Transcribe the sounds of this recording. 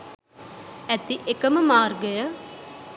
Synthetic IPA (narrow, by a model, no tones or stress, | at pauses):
ɛt̪iʔɪkəmmaːɾɡəja